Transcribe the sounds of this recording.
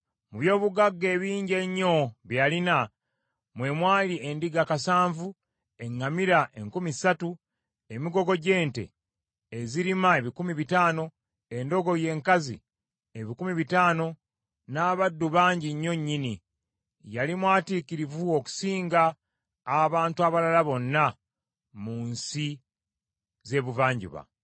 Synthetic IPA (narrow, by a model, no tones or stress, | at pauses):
muβjo̞ːβuɡaɡːe̞ːβiːɲɟe̞ɲːo̞βjalina | mwe̞ːmwaːlie̞ndiɡakasaːɱvu | e̞ŋːamiɾaʔe̞ŋkumisatu | e̞miɡo̞ɡo̞ɟe̞ːnte̞̰ | eziɾimae̞βikumiβitaːno̞ | e̞ndo̞ɡo̞je̞ːŋkazḭ | eβikumiβitaːno̞ | naːβadːuβaːɲɟiɲːo̞ɲːini | jalimwaːtiːkiɾivuoku̥siːŋɡaː | βaːntuaβalalaβo̞nːa | muːnsi | ze̞ːβuvaːɲɟṵβa̰